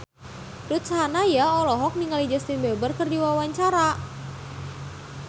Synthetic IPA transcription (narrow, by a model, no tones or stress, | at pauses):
rut̪saɦanajaɔlɔɦɔk̚niŋalid͡ʒəst̪inbɛbərkərdiwawaɲt͡ʃaɾa